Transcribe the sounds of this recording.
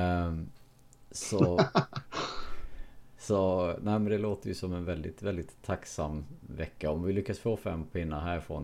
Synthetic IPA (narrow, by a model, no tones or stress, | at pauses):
sɔ | sɔnæɪmɛnd̪ɛloːt̪əɾjʉsɔmɛnvɛld̪ɪ̰t̪vɛld̪ɪt̪ʰːaksamːvɛkːaɔmvɪlʏkːasfoːfɛmːpʰɪnːaɦæːɾɪfɾo̰ɔ̰n